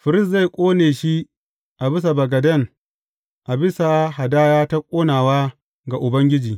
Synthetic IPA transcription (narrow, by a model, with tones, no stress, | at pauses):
ɸɪ˨ɾɪ˦s̬za˦˨jkʷʼoː˦neː˨ʃi˦ | ʔa˨bɪ˦s̬a˨bɐ˨ɡɐ˨dɐ˦ŋ | ʔa˨bɪ˦sa˨ɦa˨daː˦jaː˦ta˦kʷʼoː˦naː˨waː˦ | ɡa˨ʔʊ˨bɐ˦ŋɡʲɪ˦d͡ʒiː˨